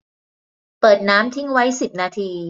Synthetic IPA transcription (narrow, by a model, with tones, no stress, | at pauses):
pɤː˨˩t̪̚naː˦˥mt̪ʰi˦˥ŋwa˦˥jsi˨˩p̚naː˧t̪ʰiː˧